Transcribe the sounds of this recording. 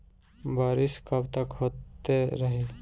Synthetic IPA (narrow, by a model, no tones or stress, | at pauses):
baːɾɪskəbt̪əkɦoːt̪ːeɾəɦe